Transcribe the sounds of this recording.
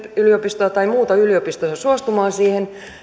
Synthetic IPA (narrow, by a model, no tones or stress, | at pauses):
yliopist̪ojɑt̪ɑimuːt̪ɑyliopist̪ojɑsuost̪umɑːsiːhen